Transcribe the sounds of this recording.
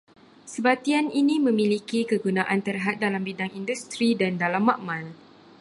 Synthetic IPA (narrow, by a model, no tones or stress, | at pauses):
səbat̪ianinĩmə̃mĩlikikəɡunaʔant̪ərɦat̪̚dalambidaŋindust̪ɾidandalamːaʔmãl